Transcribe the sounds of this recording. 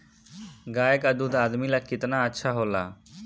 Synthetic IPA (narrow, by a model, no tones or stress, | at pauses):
ɡaːjəkad̪uːd̪aːd̪miːlaːkɪt̪naːətːʃʰaːɦoːla̰ː